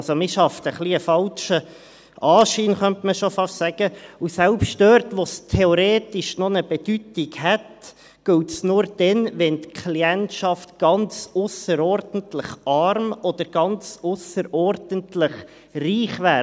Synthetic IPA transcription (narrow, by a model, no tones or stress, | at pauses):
somɪʃɑft̪əχliəfɑlʃə | ʔɑːʃiːnχœntməʃofɑʃsæɡ̥əusælpʃtdørtʋostʰeɔɾeːtɪʃnonəb̥ɛd̥ytɪɡhɛt | ɡ̥ɵltsnʊɾd̥ɛnʋɛnt̪kʰliɛntʃɑftɡ̥ɑnt͡sʊsəɾɔɾdən̩tlɪχʔɑrmɔd̥̪əɾɡ̥ɑnt͡sʊsəɾʔɔrd̥əntlɪχ | riːχʋæː